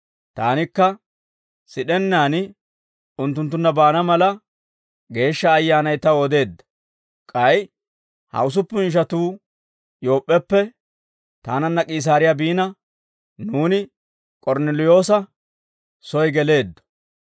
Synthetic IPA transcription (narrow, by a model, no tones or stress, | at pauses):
t̪a̰ːnɪkːɐ | sɪɗɛnːaːnɪ | ʊnt̪ːʊnt̪̬ːʊnːɐbaːnɐmɐlɐ | ɡe̞ːʃːɐːjːaːnɐjt̪ɐwɔd̪e̞ːd̪ːɐ̥ | kʼɐj | hɐ̰ʊs̬ʊpːʊʃ̬ɐt̪uː | jo̞ːpʼːɛpːɛ | t̪aːnɐnːɐkʼiːs̬aːɾɪjabiːnɐ | nuːnɪ | kʼɔɾnɛlɪjo̞ːsɐ | sɔjɡɛle̞ːd̪ːɔ̥